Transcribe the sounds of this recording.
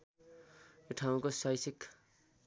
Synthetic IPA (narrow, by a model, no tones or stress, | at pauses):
juʈʰaw̃kosʌjsik